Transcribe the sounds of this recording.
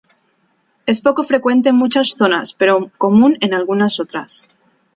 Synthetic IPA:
e̞spo̞ko̞fɾe̞kwe̞nt̪e̞nmut͡ʃasθo̞naspe̞ɾoko̞mũne̞nalɣunaso̞t̪ɾa̰s

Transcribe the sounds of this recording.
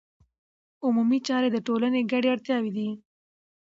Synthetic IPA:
ʊmumit͡ʃɑɾed̪əʈolaneɡaɽeaɽt̪jɑwed̪i

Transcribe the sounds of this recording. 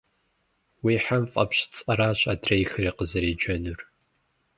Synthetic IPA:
wiːħamfʼɐ̰pɕɪ̥t͡sʼɐɾaːɕʼadrɐjxɨɾiːqəzɐɾeːd͡ʒɐnur

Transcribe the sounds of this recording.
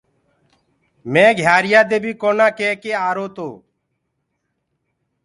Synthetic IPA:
mẽːɡʱjaːɾɪjaːd̪eːbʱiːkoːnãːkeːkeːaːɾoːt̪oː

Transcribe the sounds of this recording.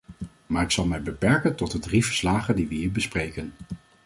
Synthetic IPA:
maːɹɪksɑlˠmɛjbəpɛɹkəntɔt̚dədriv̥əɹslaːχəndiʋəɦiːɹbəsprejkən

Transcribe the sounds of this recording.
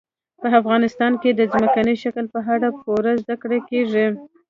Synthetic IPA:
pəafɣɑnɪst̪ɑnked̪əzməkanəʃakəlpəɦaɽapoɾazd̪akɽekeʐi

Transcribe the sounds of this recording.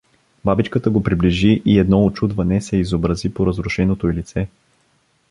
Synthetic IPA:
babit͡ʃkət̪əɡopɾibliʒiʔiɛd̪nɔot͡ʃud̪vɐnɛsɛizobɾɐzipoɾɐzɾʊʃɛnot̪oilit̪sɛ

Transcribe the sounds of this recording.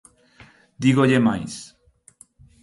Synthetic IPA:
d̪iɣoʎemajs

